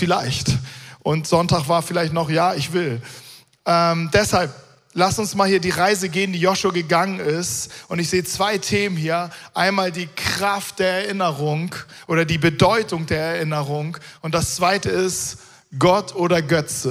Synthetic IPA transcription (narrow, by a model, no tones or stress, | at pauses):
fɪlaɪçtʔʊntz̥ɔntaːχv̥aːɐfɪlaɪçtnɔχjaːɪçv̥ɪl | ʔɛːmdɛshalp̚ | lasʊnsmaːlhiːɐdiːʁaɪzəɡeːəndiːjɔʃoːɡəɡaŋənɪstʔʊntɪçz̥eːət͡sv̥aɪtʰeːmənhiːɐʔaɪnmaːldiːkʁ̥aft̚d̥eːɐɛɐʔɪnəʁʊŋʔoːɾɐdiːbədɔʏtʊŋdeːɐɛɐʔɪnəʁʊŋʔʊnt̚d̥ast͡sv̥aɪtəɪst | ɡ̥ɔtʰʔoːɾɐɡœt͡sə